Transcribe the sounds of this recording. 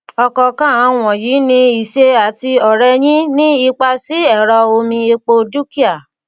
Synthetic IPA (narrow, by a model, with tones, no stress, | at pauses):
ɔ˧kɔ˧kã˦˨˦w̃ɔ̃˨jiː˨˦nĩ˧i˨ʃe˦a˨ti˧ɔ˨ɾɛ˧j̃ĩ˦nĩ˦i˦˧k͡pa˧si˨˦ɛ˦˨ɾɔ˧o˧mĩ˧e˧k͡po˧du˦ki˦a˦˨